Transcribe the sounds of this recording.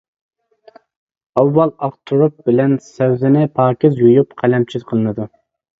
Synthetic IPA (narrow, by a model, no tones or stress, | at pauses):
ɑwːɑlˠɑqt̪ʰuɾup̚bɪlɛnsɛwzɪnɪpʰɑːkʲɪzjujupqʰælɛmt͡ʃʰizqʰəlˠɨnɨd̪u